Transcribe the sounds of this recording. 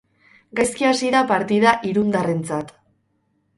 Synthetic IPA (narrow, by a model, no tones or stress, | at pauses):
ɡajskiasiðapaɾt̪iðaʔiɾund̪are̞nt͡sat̪